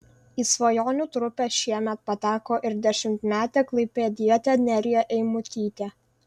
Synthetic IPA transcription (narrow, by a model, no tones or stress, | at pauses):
iːsʋɐjoːnʲuːt̪ɾʊpʲɛʃʲiɛmʲɛt̪̚pɐt̪ʲæːkoːʔɪɾd̪ʲɛʃʲɪmʲt̪ʲmʲæːt̪ʲɛːklˠɐɪpʲeːd̪ʲiɛt̪ʲɛnʲɛɾʲɪjɛʔɛɪmʊt̪ʲiːt̪ʲeː